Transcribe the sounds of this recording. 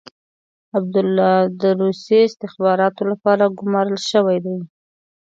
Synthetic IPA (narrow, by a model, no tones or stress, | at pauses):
ab̚d̪ʊlːɑd̪əɾusjeɪst̪ɪxbɑɾɑt̪olapɑɾaɡʊmɑɾəlʃəwajd̪aj